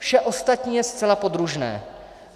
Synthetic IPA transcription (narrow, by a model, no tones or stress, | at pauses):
fʃɛʔo̞st̪at̪ɲiːjɛst̪t͡sɛlapod̪ɾuʒnɛ̰ː